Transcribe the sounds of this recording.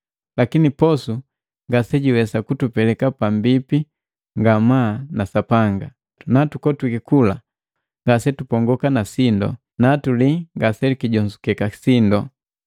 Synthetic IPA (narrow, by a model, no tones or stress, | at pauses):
lakinipɔsu | ŋɡasɛɟiwɛsakutupɛlɛkapambipi | ŋɡamanasapaŋɡa | natukɔtwikikula̰ | ŋɡasɛtupɔŋɡɔkanasindɔ̰ | natuliŋɡasɛlikiɟɔnzukɛkasindɔ